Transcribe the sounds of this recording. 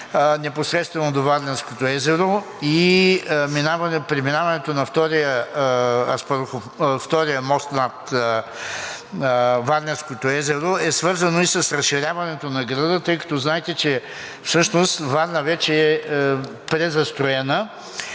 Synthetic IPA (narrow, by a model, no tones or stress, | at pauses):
nɛposɾɛt̪st̪vɛnod̪ovad̪lʲɛɾskot̪oɛzɛɾo | i | minavɐnpɾiminavɐnɛt̪onɐft̪ɔɾijə | spɾxo | ft̪ɔɾijəmɔst̪nɐt̪ | vaɾnɛɾskot̪oɛzɛɾoɛsvɤɾzɐnoisəsɾɐsʃiɾʲavɐnɛt̪onɐɡɾəd̪ət̪ɤjkɐ̥t̪ɔznaɛt̪ɛt͡ʃɛ | fsɤʃnost̪vad̪nəvɛt͡ʃɛɛ | pɾɛzɐst̪ɾoɛnə